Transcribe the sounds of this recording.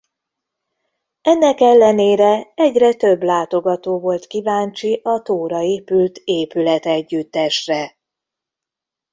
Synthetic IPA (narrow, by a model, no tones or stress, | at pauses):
ɛnːɛkɛlːɛneːɾɛɛɟrɛt̪ø̞blaːt̪o̞ɡɒt̪oːvo̞lt̪kivaːɲt͡ʃiʔɒt̪oːɾɒeːpylt̪eːpylɛt̪ɛɟːyt̪ːɛʃrɛ